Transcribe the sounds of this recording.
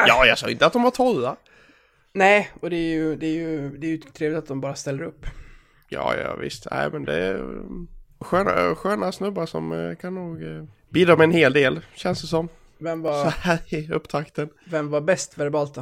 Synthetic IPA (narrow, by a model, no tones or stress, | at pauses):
jɑːjɑɡsɑːɡɪnt̪əat̪̚d̪ɔmvat̪ʰɔlːa | nɛɪɔd̪ɛːɾjɵd̪ɛæɾjɵd̪ɛæɾjɵt̪ʰɾeːvlɪt̪at̪̚d̪ɔmbɑːɾast̪ɛlːəɾɵpː | jɑ̰ːjɑ̰ːvɪ̰st̪næ̰ɪmɛnd̪ɛ̰ | ɧøːna̰ɧøːnasnɵbːaʂɔ̰mkʰanːuːɡ | biːd̪ɔmɛnheːld̪eːlɕɛnstd̪əs̬ɔm | vɛmːvaɾsɔæːɾɪɵpːt̪ʰakt̪ənvɛmvabɛst̪væɾbɑːlt̪